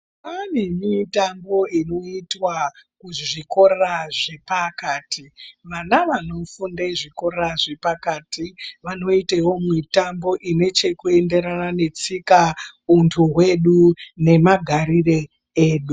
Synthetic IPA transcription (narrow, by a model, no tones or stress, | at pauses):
anemitambo̞ino̞itwakuʐiko̞ɾeraʐe̞pakaːtʰiʋanaʋano̞fundaʐiko̞reɾaʐe̞pakaːtiʋano̞itewo̞mitambo̞ʔine̞t͡ʃe̞kue̞nde̞ɾanane̞t͡sikauntʰuɦwe̞ɗune̞maɡʱaɾire | eːɗu